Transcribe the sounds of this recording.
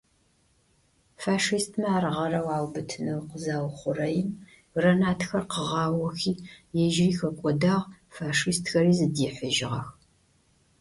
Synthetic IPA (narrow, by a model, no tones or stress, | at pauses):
faːʂistʰmɐaːrʁɐrɐwaːwbɨtʰɨnɐwqəzaːwχʷʊrɐjɪm | rɐnaːtʰxɐrqəʁɑːwɐxiːjɛʒriːxɐkʷʼɔdaːʁ | faːʂistxɐɾiːzɨdiːħʷəʒɪʁɐ̰x